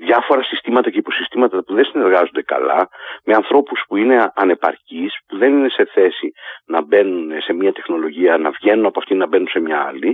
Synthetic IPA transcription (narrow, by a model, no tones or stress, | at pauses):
ðʝɐfo̞ɾɐsist̪imɐt̪ɐce̞ipo̞sist̪imɐt̪ɐpuðensine̞ɾɣɐzond̪e̞kɐ̰lɐ̰me̞ɐnθɾo̞puspuine̞ɐne̞pɐ̰ɾcispuðe̞nine̞se̞θe̞sinɐbe̞nunse̞miɐt̪e̞xno̞lo̞ʝiɐnɐvʝe̞nunɐpoɐft̪inɐbe̞nunse̞mɲɐɐ̰li